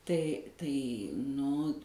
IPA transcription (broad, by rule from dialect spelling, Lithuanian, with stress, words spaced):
ˈtɐɪ tɐɪ nʊ